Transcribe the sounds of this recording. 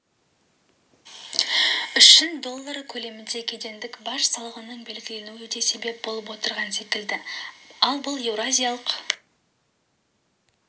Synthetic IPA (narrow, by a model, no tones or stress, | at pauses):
ʏʃːɪnd̪o̞lˠːaɾkʲʰɵle̞mɪnd̪e̞kʲʰe̞d̪e̞nd̪ɪkbɑʃsɑlˠʁənəɴbe̞lɡʲɪle̞nuɪd̪e̞se̞be̞p̚bo̞lˠəp̬wo̞t̪əɾʁɑnse̞kʲɪld̪ɪɑlˠbʊlˠe̞vɾazʲijalˠəq